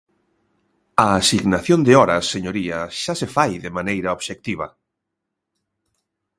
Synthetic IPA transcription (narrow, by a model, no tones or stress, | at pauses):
ɐːsiɣnaθjond̪ɪɔɾɐsːeɲoɾiɐʃasefajðɪmanejɾɐoβʃek̚t̪iβɐ̰